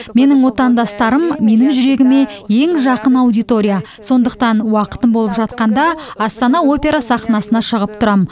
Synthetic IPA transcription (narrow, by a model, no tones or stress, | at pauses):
me̞nɪŋwo̞t̪ɑnd̪ɑst̪ɑɾəmːe̞nɪŋʒʏɾe̞ɡʲɪme̞je̞ŋʒɑqənɑwd̪ijt̪o̞ɾʲija | so̞nd̪əq̚t̪ɑnwɑqə̥t̪əmbo̞lˠəpʒɑt̪qɑnd̪ɑɑst̪ɑnɑwo̞pʲe̞ɾɑsɑχnɑsənɑʃəʁəp̚t̪ʰʊɾɑm